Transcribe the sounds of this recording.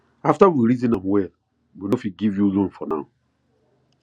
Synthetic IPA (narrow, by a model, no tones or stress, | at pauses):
aftawiɾizĩnãmwɛ | winofiɡivjulõnfɔnã̰m